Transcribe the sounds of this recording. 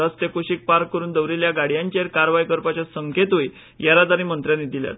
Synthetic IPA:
əst̪ekoɕiːk̚paɾkːəɾuːnd̪əʋɾeljaɡaɽ̤jaɲt͡ɕeɾkaɾʋajkəɾpat͡ɕasəŋket̪ɦoj | jaɾat̪aɾĩːmənt̪ɾjanid̪ilja̰t̪̚

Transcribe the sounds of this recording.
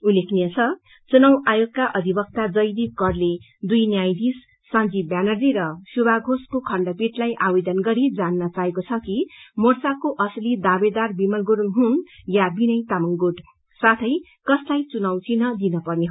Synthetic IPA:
ulekʰnijʌt͡sʰʌ | t͡sunʌwʔajoɡ̚kaʔʌd̪ʱibʌk̚t̪ad͡zʌjd̪ikʌrle | d̪ujnjajd̪isː | ãnd͡zibjanʌrd͡ziɾʌsubʱaɡʱoskokʰʌɳɖʌpiʈlajʔabed̪ʌnɡʌɾid͡zanːʌt͡saekot͡sʰʌkimort͡sakoʔʌslid̪abed̪arbimʌlɡuɽuŋɦunjabinʌjt̪amʌŋɡoɖ | sat̪ʰʌj | kʌslajt͡sunʌwt͡sʰinʌd̪inʌpʌrneɦ

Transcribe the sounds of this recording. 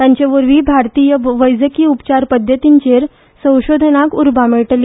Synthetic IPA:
t̪ãɲt͡ɕeʋəɾʋiːbʱaɾt̪ijəʋəjd͡zəkiːupt͡ɕaɾpəd̪ʱjət̪iɲt͡ɕeɾ | sə̃w̃ɕod̪ʱənakuɾbameɭʈlːi

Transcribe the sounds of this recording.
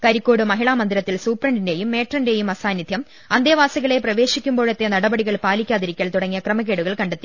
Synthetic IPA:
kɐɾikʲːo̞ːɽɨmɐɦiɭaːmɐnd̪iɾɐt̪ːilsuːprɐɳɖinde̞jumːe̞ːʈrɐnde̞jumɐsaːnjid̪ʱjɐm | ɐnd̪jɐʋaːsɐɣɐɭe̞prɐʋe̞ːɕikʲːumbo̞ːɭet̪ːenɐɽɐbɐɽiɣɐɭpaːlikʲːaːðiɾikʲːɐlt̪uɽɐŋːijɐkrɐmɐɣe̞ːɽuɣɐɭkɐɳɖet̪ːi

